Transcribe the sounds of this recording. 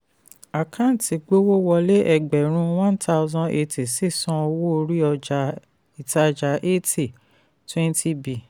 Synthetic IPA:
a˨kʰã˦˨ti˨ɡ͡bo˦wo˦wɔ˧le˦ʔɛ˧ɡ͡bɛ˨ɾ̃ũ˧˦wã˦n˦tʰa˦ʊ˦zɔ̃˦ʔe˧ti˨si˦˨sɔ̃˧ɔ˧wo˦o˧ɾi˦ɔ˧d͡ʒa˧ | i˨ta˧d͡ʒa˨ʔe˦ti˨ | twɛ̃˦n˦tʰi˦bi˨

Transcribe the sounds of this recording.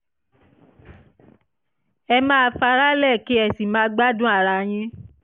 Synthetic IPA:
ɛ˧mãː˦˧˦fa˧ɾa˦lɛ˦˨ki˦ɛ˦˨si˨mãː˦ɡ͡ba˦dũ˦a˦˨ɾa˧j̃ĩ˧˦

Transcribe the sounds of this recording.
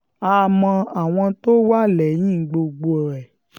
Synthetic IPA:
a˧mɔ̃˧a˨w̃ɔ̃˧to˦wa˦lɛ˨˦j̃ĩ˦˨ɡ͡bo˧ɡ͡bo˧ɔ˨ɾɛ˨

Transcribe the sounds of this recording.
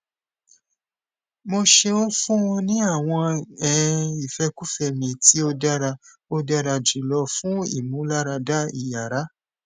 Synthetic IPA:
mo˧ʃe˧õ˦fũ˦wũ˧nĩ˦a˦˨w̃ɔ̃˧ɛ˨˧i˨fɛ˦ku˦fɛ˧mĩ˧ti˦o˧da˦ɾa˧ | o˧da˦ɾa˧d͡ʒi˨˦lɔ˧fũ˦ḭ˦˨mũ˨˦la˦ɾa˧da˦ḭ˦˨ja˨ɾa˨˦

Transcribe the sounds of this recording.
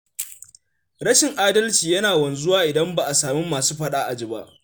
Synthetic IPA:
ɾɐ˦ʃɪ˨ŋʔaː˦dɐ˦lt͡ʃiː˨jɐ˦naː˨wɐ˨nzʊ˦waː˦ʔɪ˨dɐ˦mba˨ʔa˨saː˨mɪ˦mːaː˨suː˦ɸɐ˦ɗaː˦ʔa˨d͡ʒɪ˨ba̰˦ʔ

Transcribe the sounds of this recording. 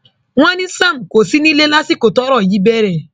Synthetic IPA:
ŋʷa˦ni˦sa˦˨m̩˨ko˨si˦ni˦le˦la˦si˦ko˨tɔ˦ɾɔ˦˨ji˦be˦ɾe˨

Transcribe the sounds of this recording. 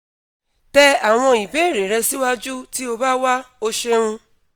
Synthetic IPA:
tɛ˦a˨w̃ɔ̃˧i˨be˨˦e˦˨ɾe˨ɾɛ˧si˦wa˦d͡ʒu˦ti˦o˧ba˦wa˦o˦ʃe˦ɾũ˧

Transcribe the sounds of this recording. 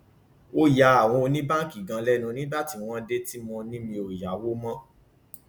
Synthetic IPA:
o˦ja˧˦a˨w̃ɔ̃˧o˧nĩ˦ba˦˨ki˨ɡã˨˧lɛ˦nũ˧nĩ˦ba˦ti˧˨w̃ɔ̃˦de˦ti˦mɔ̃˧nĩ˦mĩ˧o˨ja˨˦wo˦mɔ̃˦

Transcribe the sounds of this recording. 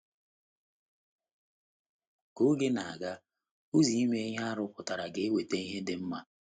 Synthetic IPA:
ko˦ɡe˦na˨a̰˨ɡa˦ | u˦zi˨i˦me˦e˦ɲ˦a˦a˦ɾʊ˦kʊ˨ta˨ɾa˨ɡɪ˨e˦we˨te˦i˦ɦe˦dɪ˦m̩˦ma˦

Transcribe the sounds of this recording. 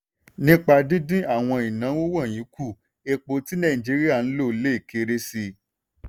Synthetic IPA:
nĩ˦k͡pa˧dĩ˦dĩ˦a˦˨w̃ɔ̃˧i˨nã˨˦wo˦wã˦˨j̃ĩ˨˦ku˦˨ | e˧k͡po˧ti˦nã˦˨ĩ˨d͡ʒi˨˦ɾi˦a˦˨n̩˦lo˦˨˦le˦i˦˨kʰe˨˦ɾe˦si˧

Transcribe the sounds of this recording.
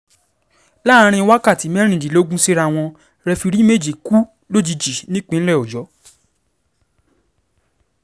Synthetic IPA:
la˦˧ɾ̃ĩ˧wa˦ka˦˨ti˨˦mɛ˦ɾ̃ĩ˨d͡ʒi˨lo˦ɡũ˦si˦ɾa˧w̃ɔ̃˧ | ɾɛ˧fi˧ɾi˦me˦˨d͡ʒi˨ku˦ | lo˦d͡ʒi˧d͡ʒi˨nĩ˦k͡pĩ˧˦lɛ˦˨o˨d͡ʒɔ˨˦

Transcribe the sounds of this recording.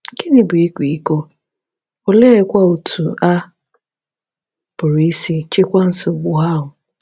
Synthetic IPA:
ke˦nɪ˦bʊ˨i˦kʷi˨i˦ko˦ | o˨le˦e˦kʷa˦u˨tʰu˨a˦ | b̥ʊ˨ɾi˦si˦t͡ʃɪ˦kʷa˦n̩˦so˨ɡ͡bʊ˨ɦa˦ɦʊ˨

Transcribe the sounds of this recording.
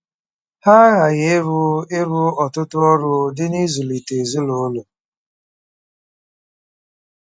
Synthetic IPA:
ha˦ɣa˨ɣɪ˦ɾʊ˦ɪ˦ɾʊ˦ɔ˨tʊ˦tʊ˦ɔ˦ɾʊ˦dɪ˦ni˦zu˨li˨te˨zʊ˦lo˨˦lʊ˨

